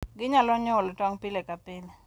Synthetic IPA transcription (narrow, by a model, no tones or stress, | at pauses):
ɡɪɲalɔɲʊlɔtwaŋpilɛkapɪlɛ